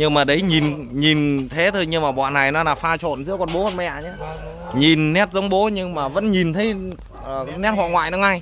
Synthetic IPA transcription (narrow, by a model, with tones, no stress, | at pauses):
ɲɨ˧maː˨˩ɗə˨˦jɲi˨˩nɲi˨˩nt̪ʰe˨˦t̪ʰo˧jɲɨ˧maː˨˩ɓɔ̰˧˨nːa˨˩jnɔ˨˦laː˨˩faː˧t͡ɕo̰˧˨nzɨ̰˧˥əwkɔ˧nɓo˨˦ho˨˧˩nmɛ̰˧ʔa˨˩ɲaː˨˦ | ɲi˨˩nːɛ˦˥t̚zə˨˦wŋ͡mɓo˨˦ɲɨ˧ŋmaː˨˩və̰˧˥nɲi˨˩nt̪ʰə˨˦j | ʔəː˨˩nɛ˦˥t̚hwa̰˧˨ŋwa̰ː˧˨jnɔ˨˦ŋa˧j